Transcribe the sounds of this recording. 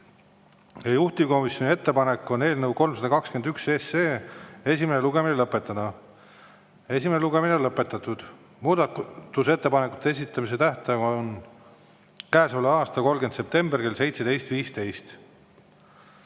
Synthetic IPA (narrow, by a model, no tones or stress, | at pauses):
jɑjuht̪iko̞misjo̞nie̞t̪ːe̞pɑne̞kːˑo̞ne̞ːlnə̞wko̞lmsɑd̪ɑkɑkskend̪ykseseːe̞s̬ʲimene̞luɡ̥e̞minelɤpːˑet̪ːˑɑd̪̥ɑ | e̞s̬ʲimeneluɡe̞mineonlɤpːˑe̞t̪ːˑɑt̪ːˑud̪̥ | muːd̪ɑt̪t̪ːˑuse̞t̪ːe̞pɑneku̥t̪ːˑees̬it̪ːˑɑmis̬e̞t̪æht̪ɑɑon | kæːsoleɑːst̪ɑko̞lɡe̞nd̪se̞p̚t̪e̞mberke̞lse̞jt̪se̞d̪e̞jst̪viːst̪e̞jst̪